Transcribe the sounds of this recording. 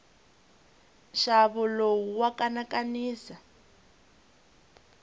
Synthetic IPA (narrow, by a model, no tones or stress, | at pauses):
ʃaβulowuwakʼanakʼaniːsa